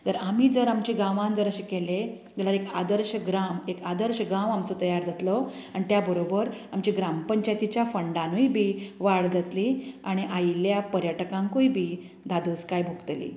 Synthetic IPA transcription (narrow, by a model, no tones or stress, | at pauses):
t̪əɾamiːd͡zəɾamt͡ɕiːɡãʋãnd͡zəɾəɕikele | t̪alaɾeka̰d̪əɾɕəɡɾamekad̪əɾɕəɡãʋamt͡sot̪əjaɾd͡zʱat̪lɔaɽ̃it̪jabəɾobəɾamt͡ɕiːɡɾampəɲt͡ɕajt̪it͡ɕjafəɳɖanujbʱiːʋaɽd͡zʱat̪liːaɽ̃iʔajiljapəɾjəʈəkãŋkujbʱiː | d̪ʱad̪ʱuskajbʱuɡt̪lḭː